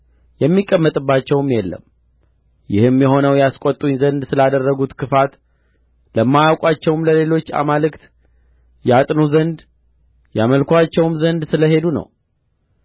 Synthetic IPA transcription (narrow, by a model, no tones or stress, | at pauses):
jɛmːikʼːəmːət̪ʼɨbːat͡ʃːɛwmjɛlːə̰m | jɪhɨmjɛɦo̞nəwjaskʷʼot̪ʼːuɲzənd̪sɨlad̪ərːəɡut̪kʰɨfat̪ | ləmːajawkʼat͡ʃːɛwmləle̞lo̞t͡ʃːa̰malɨkt̪ | jat̪ʼnuzənd̪ | jaməlkʰʷat͡ʃːɛwmzənd̪sɨləɦe̞d̪unə̰w